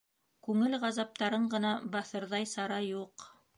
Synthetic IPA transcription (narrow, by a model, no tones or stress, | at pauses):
kʉŋɘlʁɑzɑp̚t̪ɑɾɤɴɢɤ̆nɑbɑθɤ̆ɾðɑjsɑɾɑjuq